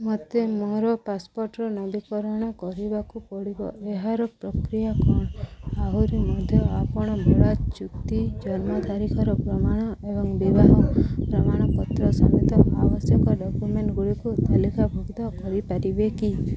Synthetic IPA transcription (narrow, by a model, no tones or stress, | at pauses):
mɔt̪emoɾɔpaspɔɾʈɾɔnɔbikɔɾɔɽ̃ɔkɔɾibakupɔɽibɔ̰eɦaɾɔpɾɔkɾijakɔɳ̃aɦuɾimɔd̪ʱjɔapɔɽ̃ɔbʱɔɭat͡ʃukt̪id͡ʒɔɾmɔd̪ʱaɾikʰɔɾɔpɾɔmaɽ̃ɔebɔŋbibaɦɔ̃pɾɔmaɽ̃ɔpɔt̪ɾɔsɔmet̪ɔʔawɔsjɔkɔɖɔkjumeɳʈɡuɽikut̪alikabʱuɡd̪ɔkɔɾipaɾibeki